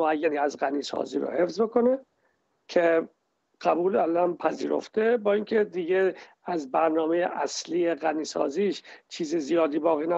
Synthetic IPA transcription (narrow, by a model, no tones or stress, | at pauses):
oæjːæniːæzɣæniːsɒ̰ːzḭːɾo̰he̞fzboko̞ne | cʰe | ɢ̥æbuːlælænpʰæzḭːɾo̞̰ft̪e̞bɒːiŋkʰe̞d̪iɡe | æzbæɾnɒːmejeʔæsliːeɣæniːsɒ̰ːziːʃt͡ʃʰiːzezijɒːd̪iːbɒːɣiːnæ